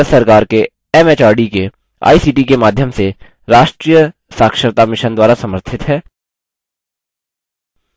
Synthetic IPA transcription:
sɐɾkaːɾke | ɛmeːt͡ʃaːɾɖike | a̰ːisiːʈikemaːd̪ʱjəmse | ɾaːʃʈɾiːjə | saːkʃəɾt̪amɪʃənd̪waːɾasɐməɾt̪ʰɪt̪ɦɛː

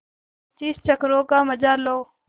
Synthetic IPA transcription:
t͡ʃiːst͡ʃəkɾoːkaːməd͡ʒaːloː

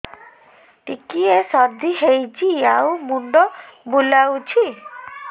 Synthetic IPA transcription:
ʈikiesɔɾd̪ʱiɦejt͡ʃʰiawmuɳɖɔbulawt͡ʃʰi

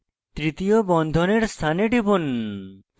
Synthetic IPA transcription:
t̪ɾit̪iobɔnd̪ʱoneɾst̪ʰaneɖibon

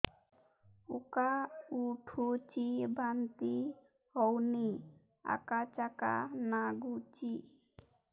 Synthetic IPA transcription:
ukauʈʰut͡ʃibant̪i | hɔwni | a̰kat͡ʃaka̰naɡut͡ʃi

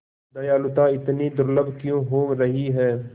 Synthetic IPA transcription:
d̪ɐjaːlʊt̪aɪt̪nid̪ʊɾləbkjõːɦoːɾɐɦiɦɛː

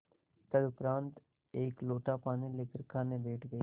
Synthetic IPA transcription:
t̪əd̪ʊpɾãːnt̪ | eːkloːʈaːpaːniːlɪkəɾkʰaːneːbeːʈʰɡəi

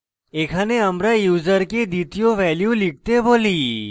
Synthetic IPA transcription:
eːkʰaneəmɾajuːzəɾked̪it̪ijoʋɛːljulɪk̚t̪eboːliː

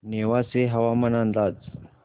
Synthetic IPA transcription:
neʋaseɦɐʋamənand̪aːd͡z

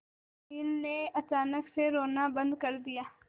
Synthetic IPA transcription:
ɪnːeɐt͡ʃaːnəkseɾoːnaːbə̃nd̪kəɾd̪ɪjaː

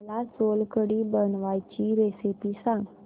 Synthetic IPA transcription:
lasoːlkəɽibənʋaːit͡ʃiɾeːsipisãŋɡ

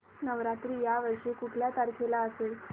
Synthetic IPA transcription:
nəʋɾat̪ɾiːjaʋəɾʂekuʈljat̪aɾkʰelaəsel

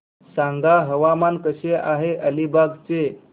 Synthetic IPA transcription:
sãŋɡaɦəʋamankəɕeʔaɦeʔəlibaɡt͡se

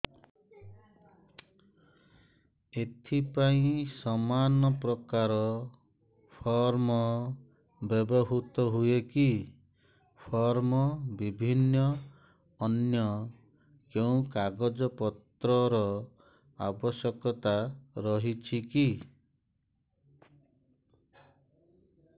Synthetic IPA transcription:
et̪ʰipaĩsɔmanɔpɾɔkaɾɔ | pʰɔɾmɔ | bebɔɦut̪ɔɦueki | pʰɔɾmɔbibʱinːɔː | njɔ | keũkaɡɔd͡ʒɔpɔt̪ɾɔɾɔ | a̰bɔsjɔkɔt̪aɾɔɦit͡ʃʰiki

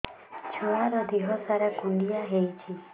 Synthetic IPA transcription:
t͡ʃʰuaɾɔd̪iɦɔsaɾakuɳɖijaɦejt͡ʃʰi

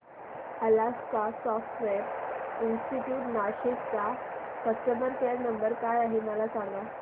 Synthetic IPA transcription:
əlaskasɔfʈʋeɾinsʈiʈjuːʈnaɕett͡sa | sək̚ʈəbəɾkeɾnəmbəɾkajaɦiməlasãŋʋa

